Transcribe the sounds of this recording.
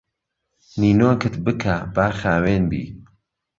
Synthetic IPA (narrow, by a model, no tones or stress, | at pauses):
niːnoːkʰɨt̪bɨkʰabaːχaːweːnbḭː